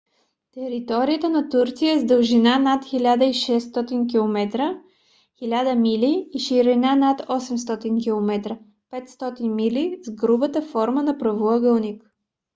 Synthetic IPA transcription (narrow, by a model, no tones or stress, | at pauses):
t̪ɛɾit̪ɔɾijət̪ənɐt̪uɾt̪sijəɛzd̪əlˠʒinanat̪xilʲad̪əiʃɛsːt̪ɔt̪ink̬ilˠomɛt̪ɾə | xilʲad̪əmiliːʃiɾɛnanat̪ɔsɛms̬t̪ɔt̪inkilˠomɛt̪ɾə | pɛt̪st̪ɔt̪inmilizɡɾubət̪əfɔɾmənɐpɾɐvoəɡəlˠnik